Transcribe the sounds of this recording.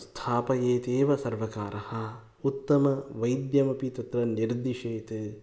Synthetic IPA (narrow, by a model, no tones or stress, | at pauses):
st̪ʰaːpɐjeːt̪eːʋɐsɐɾʋɐkaːɾɐhɐ̆ | ut̪ːɐmɐʋɐjd̪jɐmɐpit̪ɐt̪ɾɐniɾd̪iʃeːt̪ɨ